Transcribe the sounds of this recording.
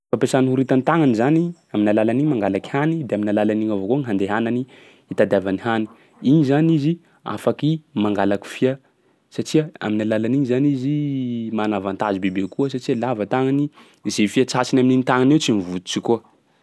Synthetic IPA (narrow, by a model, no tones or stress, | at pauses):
fapesanihuɾit̪anit̪aŋanizaniaminalalaniɲmaŋɡalaki̥hanid̪eaminalalaniɲavokoŋiɦand̪eɦanani | it̪ad̪avanihani̥ | iɲizanizi | a̰fakimaŋɡalaki̥fiə | sat͡ʃiaa̰minalalaniɲizanizimanavant̪azibebekuəsat͡ʃialavat̪aŋani | zefiat͡sasinamininit̪aŋanewt͡simivut̪u̥t͡ʃiko